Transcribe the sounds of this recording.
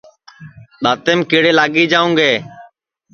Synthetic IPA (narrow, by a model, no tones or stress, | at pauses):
ɗ̪aːt̪eːmkɪːɽeːlaːɡiːd͡ʒaːũːɡeː